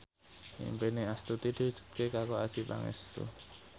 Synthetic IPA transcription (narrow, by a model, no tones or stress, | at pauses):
ḭmpeniast̪ut̪id̥i̤ɦu̥ʒ̥u̥t̪̚kekakoad̥ʒ̥ipa̰ŋɛ̰st̪ṵ